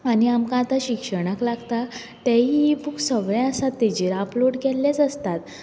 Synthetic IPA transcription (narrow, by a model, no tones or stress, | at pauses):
aniamkãːt̪aɕikʂəɽ̃əklaɡt̪a | t̪ɛ̃ɦibuksəɡɭjãəsat̪ːɛd͡ʑiɾaploɽkɛlːet͡səst̪at̪